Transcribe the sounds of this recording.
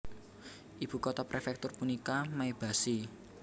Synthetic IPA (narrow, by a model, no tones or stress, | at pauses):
ʔib̥ṳkot̪apɾʔefɛk̚t̪ʊrpunikamaeb̥a̤si